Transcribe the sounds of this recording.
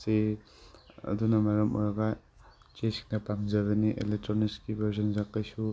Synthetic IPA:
se | ɐ̰dunɐmaɾɐmɔ̰ɾaɡa | t͡ʃesk̚napamzaɡɯniʔḛlek̚tɾoniskibʱɐɾzɔnzakːajsu

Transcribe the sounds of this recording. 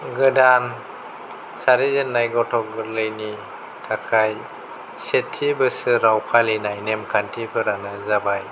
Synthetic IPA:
ɡɯdan | saɾizɯnːajɡɔtʰɔk̚ɡɯɾlɯjni | tʰakʰaj | setʰːibɯsɯɾawpʰalenajnemkʰantʰipʰɯɾanɯzabaj

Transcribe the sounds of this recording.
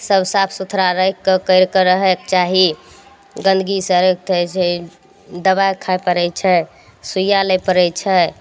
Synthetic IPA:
səbsapʰsut̪ʰɾaɾəjkːəkəɾkəɾəɦɛk̚t͡ʃaɦi | ɡə̃nd̪ɡisəɾəkt̪ət͡ʃʰɛ | d̪əbajkʰajpəɾɛt͡ʃʰɛ | sujaləpəɾɛt͡ʃʰɛ

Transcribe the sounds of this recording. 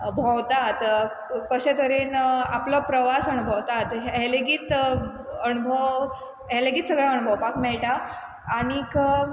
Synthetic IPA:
bʱəwt̪at̪ | kəɕẽt̪əɾiːnaplɔpɾəʋasənubʱəwt̪at̪ɦɦeleɡiːt̪ | ənubʱəʋ | ɦeleɡiːt̪səɡɭaəñubʱəwpakmɛɭʈaː | ɽ̃ik

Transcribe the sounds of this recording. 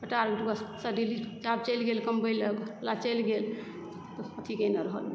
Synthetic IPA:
pəʈaɾɡeʈbəssəɖilit͡ʃab̚t͡ʃəjlɡelkəmbəjləɡlat͡ʃəlɡel | t̪oət̪ʰikeneɾəɦə̰lmi

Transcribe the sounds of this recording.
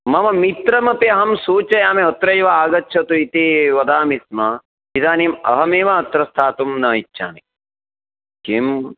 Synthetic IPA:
mɐmɐmit̪ɾɐmɐpiɐɦɐmsuːt͡ʃɐjaːmeɔt̪ɾɐjʋɐaːɡɐtːʃʰɐt̪uit̪iʋɐd̪aːmismɐ | id̪aːnimɐ̰ɦɐmeːʋɐɐt̪ɾɐst̪ʰaːt̪umnɐit͡ʃːʃʰa̰ːnḭ | kem

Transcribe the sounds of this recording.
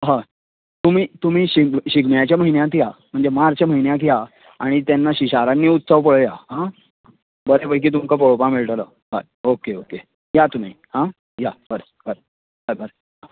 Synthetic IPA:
ɦã | t̪um̤iːt̪um̤iːɕiɕiɡɳjat͡ɕjaməɦinjat̪ijam̤əɳd͡zemaɾt͡ɕam̤əinjãk̬ija | aɽ̃it̪janːaɕiɕaɾanːiːut̪səʋpəɭəjaɦã | bəɾepəjk̬iːt̪̬umkapəɭopãmiɭʈələ | ɦa | okeoke | jat̪um̤iːhã | jab̥əɾə | b̥əɾ | bəbəɾ | a

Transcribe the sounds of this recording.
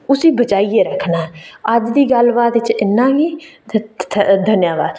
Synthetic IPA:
ʊsiːbəd͡ʒaːiːeːɾəkʰːnaːɦɛəd͡ʒd̪iːɡəlbaːt̪ɪt͡ʃɪnːãːɦiː | d̪ʱənjaːba̰ːd̪

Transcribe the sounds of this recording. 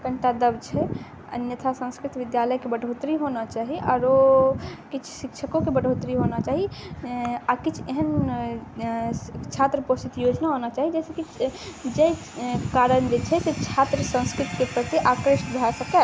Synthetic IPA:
kəɳʈad̪əbt͡ʃʰɛ | ə̰njət̪ʰasə̃nskɾit̪ʋid̪jaləjkebəɽʱot̪ɾiɦonat͡ʃaɦiʔɔ̰ːɾo | kit͡ʃʰsikt͡ʃʰəkõkebəɖʱot̪ɾiɦonat͡ʃaɦi | akit͡ʃʰeɦən | t͡ʃʰat̪ɾəposit̪jod͡ʒnaɦonat͡ʃaːɦid͡ʒɛsekid͡ʒej | kaɾənd͡ʒet͡ʃʰɛset͡ʃʰat̪ɾəsə̃nskɾit̪kepɾət̪iʔakɾiʃbʱasəkɛ

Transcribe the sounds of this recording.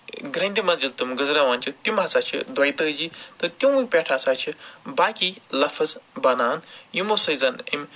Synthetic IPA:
ɡɾɐ̃nd̪ʲimɐzilt̪ɨmɡɐzɾaʋaːnʲt͡ʃʰit̪umat͡saːt͡ʃʰḭd̪wɐjt̪əd͡ʒit̪ɨt̪ʲũĩpʲɛʈʰasaːt͡ʃʰibaːkilɐfɐzbɐnaːnjimosɐzɐnḭmʲ

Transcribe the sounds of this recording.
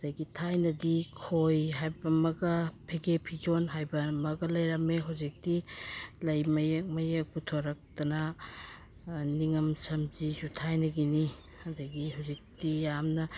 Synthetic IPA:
ɐdɐɡitʰajnɐdikʰojɦajbɐmɐɡɐpʰeɡepʰid͡ʒonɦajbɐmɐɡɐlɐjɾameɦawzik̚tilɐjmɐjek̚mɐjek̚putʰoɾɐk̚tɐnɐ | niŋɐmsɐmzisutʰajnɐɡini | ɐdɐɡihawzik̚tijamnɐ

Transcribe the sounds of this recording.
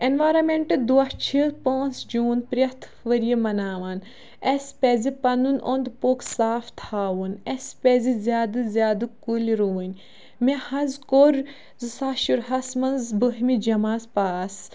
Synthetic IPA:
enʋaːɾɐmeɳʈɨd̪uɐht͡ʃʰipõːnsd͡ʒuːnpɾjɐt̪ʰ | ʋɐɾijimɐnaːʋaːn | ɐsʲpʲɛːzipɐnunond̪poːksaːft̪ʰaːʋunɐspʲeːzizʲjaːd̪ɨzʲjaːd̪ɨkulʲiɾuːnʲ | mehɐnzkoɾ | zɨsaːʃuɾɦɐsmɐnzbɨɦmid͡ʒɐmaːspaːs

